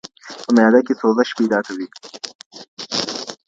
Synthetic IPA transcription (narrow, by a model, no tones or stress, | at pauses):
pəmajɑd̪akesoːzəʃpejd̪ɑːkɐwi